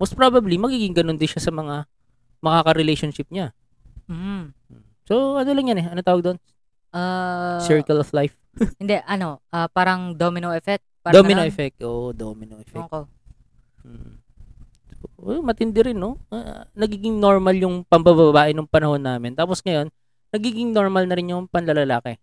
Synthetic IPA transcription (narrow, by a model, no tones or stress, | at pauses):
most̪̚pɾabɐblimɐɡiːɡɪŋɡɐno̞nd̪ɪnʃasɐmɐŋa | mɐkakɐɾɪlejʃonʃɪp̚ɲa | m̩ | soʔɐnolɐŋjɐnɛɐnot̪aːwɐɡd̪on | ʔasɛɹkɐlɔflajf | hɪnd̪ɛʔɐno̞ʔɐpaːɾɐŋd̪omɪnoɛfɛk̚t̪̚paɾd̪omɪoʔɛfɛk̚t̪ʔoːʔd̪omɪnoʔɛfɛko | m̩ | soʔomɐt̪ɪnd̪ɛɾɪnːoanɐɡiːɡɪŋno̞ɹmɐljʊŋpɐmbɐbɐbaːʔɪnʊŋpɐnɐho̞nːaːmɪnt̪aːposŋɐjo̞nː | ɐɡiːɡɪŋno̞ɹmɐlnɐɾɪnjʊŋpɐnlɐlɐlaːkɛ